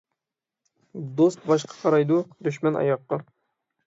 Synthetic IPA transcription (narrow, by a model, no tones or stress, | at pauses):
d̪ost̪̚bɑʃ̬qʰɑ̥qʰɑɾɑjd̪ud̪yʃmɛnɑ̰jɑqːɑ